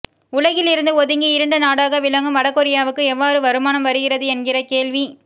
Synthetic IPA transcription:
ʊlɐɣɪlɪɾɯnd̪ɯɔðɯŋɡiɪɾɐɳɖɯnaːɽaːɣɐʋɪlɐŋɡɯmʋɐɽɐkːɔɾɪjaːʋɯkːɯɛʋːaːɾɯʋɐɾɯmaːnɐmʋɐɾɯɣɪrɐðɯɛnɡɪrɐkeːɭʋi

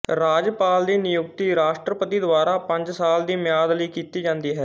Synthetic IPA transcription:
ɾaːd͡ʒpaːld̪iːnɪjʊk̚t̪iːɾaːʃʈɾəpət̪iːd̪ʊʋaːɾaːpə̃ɲd͡ʒsaːld̪iːmjaːd̪ləiːkiːt̪iːd͡ʒãːnd̪iːɦɛː

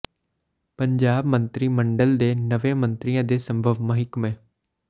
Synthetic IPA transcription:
pəɲd͡ʒaːbmənt̪ɾiːməɳɖəld̪eːnəʋẽːmənt̪ɾɪjãːd̪eːsəmbʱəʋmə̃ɦɪkmẽː

